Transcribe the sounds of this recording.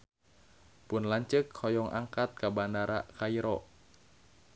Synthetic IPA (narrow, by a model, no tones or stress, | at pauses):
pʊnlaɲt͡ʃəkhɔjɔŋʔa̰ŋkat̪̚kabandaɾakaiɾɔʔ